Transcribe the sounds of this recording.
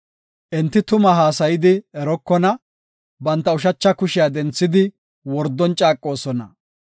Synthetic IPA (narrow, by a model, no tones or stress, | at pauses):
ʔɛnt̪ːɪt̪ʊmɐɦaːsɐjɪd̪ɪɛɾɔkːɔnɐ | bɐnt̪ːɐʊʃ̬ɐt͡ʃːɐkʊʃɪjad̪ɛnt͡sːɪd̪ɪ | wɔɾd̪ːɔnt͡ʃʼaːkʼːo̞ːsɔnɐ